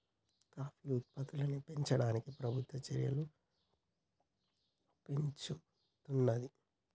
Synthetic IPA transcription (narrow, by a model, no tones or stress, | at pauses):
kaːpiut̪̚pɐt̪ulɐnipe̞ɲt͡ʃɐɽaːnikipɾɐbʱut̪wʋɐt͡ʃɐɾjɐ̰lu | pe̞ɲt͡ʃu | t̪unːɐd̪i